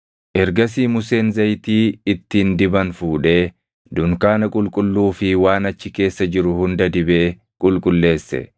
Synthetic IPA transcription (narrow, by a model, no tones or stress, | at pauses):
ʔɛɾɡɐs̬iːmʊse̞ːnzɐjt̪iːɪt̪ːind̪ɪbɐnfuːᶑe̞ː | d̪ʊŋkaːnɐkʼʊlkʼʊlːuːfɪwaːnɐt͡ʃːɪke̞ːsːɐd͡ʒɪɾʊhʊnd̪ɐd̪ɪbe̞ː | kʼʊlkʼʊlːe̞ːsːɛ̰